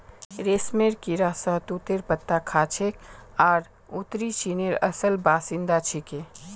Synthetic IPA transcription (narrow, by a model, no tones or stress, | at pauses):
ɾeːsmeɾkiɾasəɦt̪ut̪eɾpət̪ːakʰaːt͡ʃʰekaːɾ | ut̪ɾit͡ʃineɾə̰səlbaːsɪ̃nd̪at͡ʃʰɪke